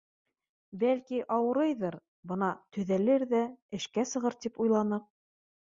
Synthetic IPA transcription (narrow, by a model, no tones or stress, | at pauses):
bælkiʔɑwɤ̆ɾɤjðɤɾ | bɤnɑt̪ɵ̆ðælɘɾðæɘ̆ʃkæsɤ̆ʁɤɾt̪ipujlˠɑnɤq̚